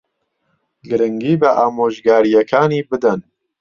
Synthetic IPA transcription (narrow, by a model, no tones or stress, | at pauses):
ɡɨɾɨŋɡiːbɐʔaːmoːʒɡaːɾijɐkʰaːniːbɨd̪ɐn